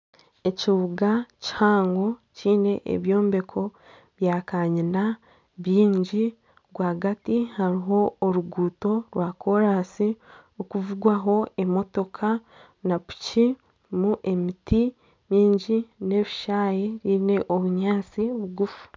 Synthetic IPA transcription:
e̞ciβuɡaci̥haːŋɡo̞ciːne̞ʔḛβjo̞ːmbe̞kʰo̞ | βjaːkaɲina | βiːɲɟi | ɾwaːɡatihaɾiɦo̞ːɾuɡuːto̞ɾwʔaːkʰo̞ɾasiokuvuɡwaɦo̞e̞mo̞to̞kʰa | napu̥ci | muʔe̞miti | miːɲɟine̞ːβiʃaːjeɾiːne̞ʔoβuɲaːt͡siβuɡufu̥

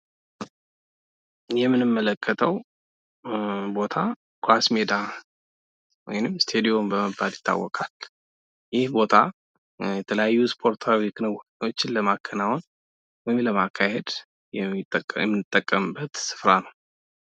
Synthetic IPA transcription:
jɛmːɨnɨmːələkʰːət̪ʰəw | bo̞t̪ʰa | kʰwasmed̪a | wɔ̰jnɨmːst̪ʰe̞d̪ijo̞mbəməbːaljɪt̪ʰːa̰wːɔkʼal | jɪhbo̞t̪ʰa | jɛt̪ʰələjajːuspʰo̞ɾt̪ʰawikʰɨnɨwɔkʼo̞t͡ʃːɪnləmakʰːənawon | wɔjɪmləmakʰːahe̞d̪ | jɛt̪ʼːəkʼːjɛmːɨnɨt̪ʼːəkʼːəmɨbːət̪sɨ̥fɾanəw

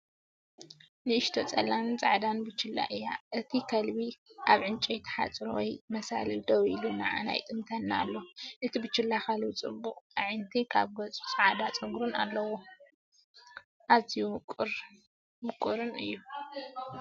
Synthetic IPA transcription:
nɨɨʃt̪ʰot͡sʼɐlant͡sʼaʕd̪anbɨt͡ʃːɨlːa̰ʔɨja̰ʔɨt̪ʰikʰɐlbiʔaβʕɨnt͡ʃʼijt̪ʰɐ̥ħa̰t͡sʼɾowɔ̰jmɐsa̰lɨd̪ɐwiluna̰ʕa̰na̰jt̪ʼɨmt̪ʰɐnːa̰lːoʔɨt̪ʰibɨt͡ʃːɨlːaxalbit͡sʼɨbuq̪ʼaʕɨnt̪ʰikʰaβɡɐt͡sʼut͡sʼaʕd̪at͡sʼɐɡɾuna̰lːɐwo | ʔazijukʼɾ | mɨkʼuɾɨnɨ̰jːu

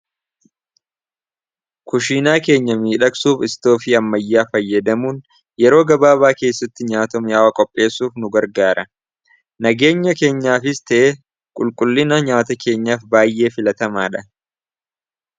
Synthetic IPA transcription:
kʊʃiːnaːke̞ːɲːɐmiːᶑɐksuːfɪst̪o̞ːfiːɐmːɐjːaːfɐjːɐd̪ɐmuːn | jɛɾo̞ːɡɐbaːβaːke̞ːsːɐt̪ːɪɲaːt̪ɔmjaːwɐkʼɔpʼːe̞ːsuːfnʊɡɐɾɡaːɾɐ | nɐɡe̞ːɲːɐke̞ːɲːaːfɪst̪ɐʔe | kʼʊlkʼʊlːɪnɐɲaːt̪ɐke̞ːɲːaːfbaːjʔe̞ːfɪlɐt̪ɐmaːᶑɐ

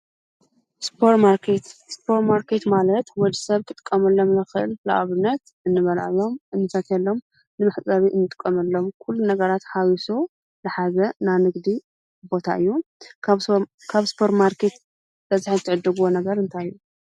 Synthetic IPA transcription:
spʰoɾmaɾkʰet̪spʰo̞ɾmaɾkʰe̞t̪malɐt̪wɔd̪isɐβkʰʼɨt̪ʼɨ̥kʼːɐmɐlːo̞mnɨxɨʔɨlːa̰ʔʼβɨnːɐt̪ | ʔɨnːɨβɐlʕlo̞mɨnːɨfɐt̪ɛlːo̞m | nɨmɨħt͡sʼɐβiʔɨnːɨt̪ʼɨ̥kʼːɐmɐlːo̞mkʰulːunɐɡɐɾat̪hawisu | lɨħazɐnanɨɡd̪i | bo̞t̪ʰa̰ʔɨjːu | kʰaβspʰoɾmaɾkʰet̪ | bɐziħizɨt̪ʰːɨʕɨd̪ːɨɡuwonɐɡɐɾɨnt̪ʰajːu

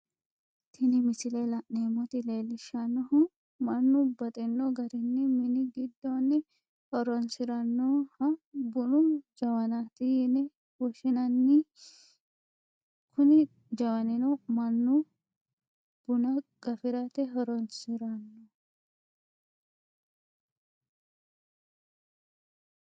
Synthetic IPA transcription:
t̪ʰɪnɪmɪsɪlelɐʔneːmɔt̪ɪle̞ːlːɪʃɐnːɔhʊ | mɐnːʊbɐt̪ʼɛnːɔɡɐɾɪnːɪmɪnɪɡɪd̪ːɔnːɪ | hɔɾɔnsɪɾɐnːɔhɐbʊnʊd͡ʒɐwɐnat̪ɪjɪnɛ | wɔʃɪnɐnːɪ | kʊnɪ | d͡ʒɐwɐnɪnɔmɐnːu | b̥ʊnɐɡ̥ɐfɪɾat̪ɛɦɔɾɔnsɪɾɐnːo

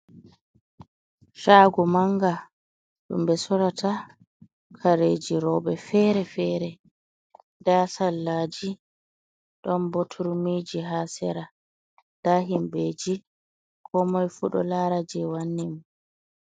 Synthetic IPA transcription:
ʃaːɡɔmaŋɡa | ɗṵmbɛsɔɾatʰa | kʰaɾeːd͡ʒiɾɔːɓɛfɛːɾɛfɛːɾɛ | daːsalːad͡ʒi | ɗɔnbotʰuɾmid͡ʒiɦaːsɛɾa | d̥aːɦimbeːd͡ʒi | kʰɔmɔjfuɗɔ̰laɾad͡ʒɛwanːim

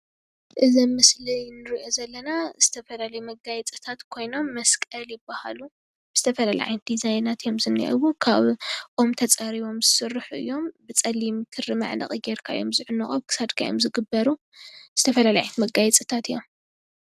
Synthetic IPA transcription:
ʔɨzɐmmɨslijnɨɾiʔo̞zɐlːɐnaz̥ɨt̪ʰɐfɐlalɐjumɐɡajɛt͡sʼɨt̪ʰat̪kʰo̞jno̞mːɐskʼɐljɪbaha̰lu | bɨz̥ɨt̪ʰɐfɐlala̰ʕa̰jnd̪̥izajnat̪jomzɨnːḭʔɐ̰wukʰaβʔomt̪ʰɐt͡sʼaɾiβo̞mzɨsɨrːɨħuʔɨ̰jːo̞mbɨt͡sʼɐlːimk̪ʰɨrɨma̰ʕnɐ̰χʼɨɡeɾkʰa̰ɨ̰jo̞mzɨʕʊnːɨχʼowkʰɨ̥sad̪kʰaj̰o̰mzɨɡɨbːɐɾu | z̥ɨt̪ʰɐfɐlalajajt̪mɐɡajɛt͡sʼɨt̪ʰat̪ɨjːo̞̰m

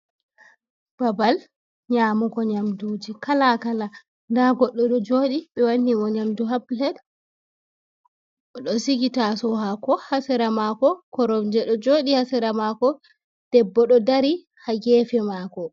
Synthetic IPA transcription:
b̥abal | ɲaːmukɔɲamduːd͡ʒikalakala | ndaɡɔɗːɔɗɔd͡ʒoːɗiɓɛwanːiwɔɲamduɦablɛd | ɔɗɔsiɡitasɔɦakɔhasɛɾamakɔkɔɾɔmd͡ʒɛɗɔd͡ʒoːɗihasɛɾamakɔ | d̥ɛbːɔɗɔdaɾi | haɡɛːfɛmakɔ

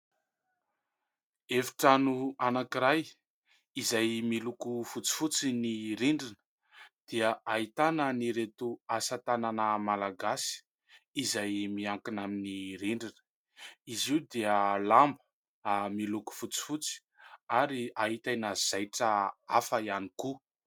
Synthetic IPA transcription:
efi̥ʈ͡ʂanuanakiɾaj | izajmilukufut͡si̥fut͡siniɾiɳɖ͡ʐinə̥ | d̪̥iəaɦit̪anəniɾet̪uasat̪ananəmalaɡasi̥ | izajmiaŋkinaminiɾiɳɖ͡ʐinə̥ | iziwd̪iəlambə̥ | amiluku̥fut͡si̥fut͡si̥ | aɾiaɦit̪ajnaz̥ajʈ͡ʂəafəianiku

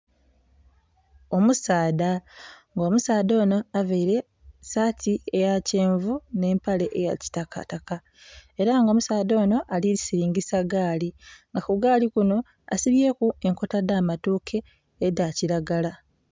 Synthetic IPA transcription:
o̞musaːdaŋɡoːmusaːdo̞ːno̞avaiɾe̞ | satʰiejace̞ːɱvune̞ːmpale̞ʔeja̰ci̥taka̰taka | e̞ɾaŋɡomusaːdo̞ːno̞ʔaliisiɾiːŋɡisaɡaːliŋɡakuɡaːlikuno̞ | a̰siβje̞ːkue̞ŋko̞tadaːmatuːkʰe̞ː | daciɾaɡala

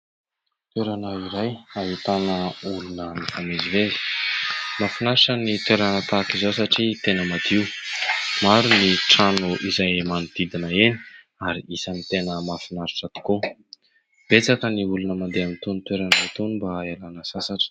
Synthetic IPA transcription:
t̪weɾanaiɾajaɦit̪anəulunəmifameziveli̥ | mafinaɾiʈ͡ʂənit̪weɾanət̪akizowsaʈ͡ʂit̪enəmad̪iw | maɾuniʈ͡ʂanuʔizajmanud̪̥id̪inəeni̥ | aɾiisanit̪enəmafinaɾiʈ͡ʂət̪i̥ku | b̥et͡sakəniulunəmand̪eamint̪onit̪weɾanat̪onbaelanəsasaʈ͡ʂə̥

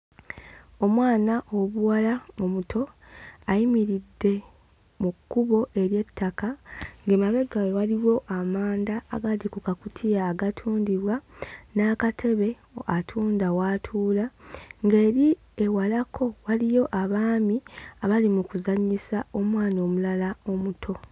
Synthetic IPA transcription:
o̞mwaːnaʔoβuwalamumutʰo̞ | ajimiɾidːe̞ | mukːuβo̞ʔe̞ɾje̞tːakaŋɡe̞maβe̞ɡajewaliwo̞ʔamaːnda̰ːɡadikukakutʰijaːɡatʰuːndiβwanaːkatʰe̞βe̞ | atʰuːndawatʰuːlaŋɡe̞ːɾi | e̞walakʰo̞walijo̞ʔaβaːmiaβalimukuzaɲisao̞mwaːno̞mulalao̞mutʰo̞

